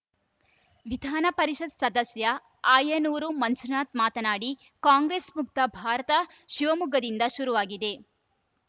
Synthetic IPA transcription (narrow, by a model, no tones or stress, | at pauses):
ʋid̪ʱaːnɐpɐɾiʃɐd̪sɐd̪ɐsjɐ | aːjɐnuːɾumɐnsunaːt̪maːt̪ɐnaːɽi | kaːŋɡɾeːsmuk̚t̪ɐbʱaːɾɐt̪ɐ | ʃiʋɐmuɡɐd̪ind̪ɐʃuɾuʋaːɡid̪e̞